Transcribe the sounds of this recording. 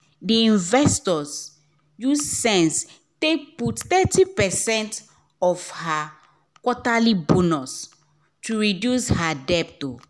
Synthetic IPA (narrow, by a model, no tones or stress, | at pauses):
diĩnvɛstɔs | jussɛ̃ns | tek̚putθɛtipɛsɛ̃nt | ɔfha | kɔtalibunus | tuɹidjushadɛp̚to